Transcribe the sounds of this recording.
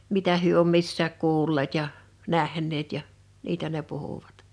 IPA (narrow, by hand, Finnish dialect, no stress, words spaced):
mitæ hyø om misːæːk kuːlːeːt jɑ næhˑnˑeːt jɑ niːtæ ne puhuʋ̥ɑ̥t